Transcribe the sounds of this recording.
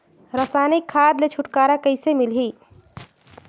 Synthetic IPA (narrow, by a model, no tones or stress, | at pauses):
ɾəsaːnikʰːaːd̪let͡ʃʰʊʈkaːɾakəɪsemilɦi